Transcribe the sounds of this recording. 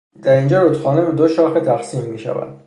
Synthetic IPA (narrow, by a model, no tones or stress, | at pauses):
d̪̥æɾiːnd͡ʒɒːɾot̪xɒːnebed̪oʃɒːxet̪ʰæxsiːmːiːʃæ̰væ̰nd̪̥